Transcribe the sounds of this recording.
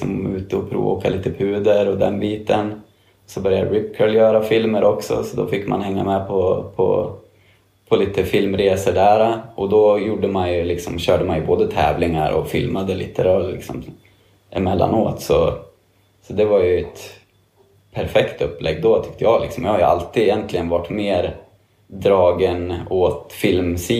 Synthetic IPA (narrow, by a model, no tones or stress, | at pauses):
sɔmʉ̟ːt̪əɔpʰɾṵːoːkaliːt̪əpʰʉ̟ːd̪əɾɔd̪ɛnbiːt̪ən | ɔsɔbœɾjad̪ɾɪpkʰəɭjœːɾafɪlməɾʔɔksɔ̰sɔd̪ɔfɪkːma̰nhɛŋːamɛpʰɔpʰɔ̰ | pʰɔliːt̪əfɪlmɾeːsəɖæːɾaʔɔd̪ɔjuɖːəmanjɵlɪksɔmɕœːɖəmanjɵboːd̪ət̪ʰɛ̰ːvlɪŋaɾʔɔ̰fɪlmad̪əlɪ̰ːt̪əɾɑlɪ̰ksɔm | ʔɪmɛlːa̰noːt̪sɔ | sɔd̪ɛvajɵɛt̪ | pʰæɾfɛkt̪ɵpːlʔɛɡːd̪ɔt̪ʰʏkt̪əjɑːlɪksɔmjahaɾjɵʔa̰lt̪iːd̪ɪjɛnt̪lɪɡənvaʈːmeːɾ | d̪ɾɑːɡənoːt̪fɪlmsiː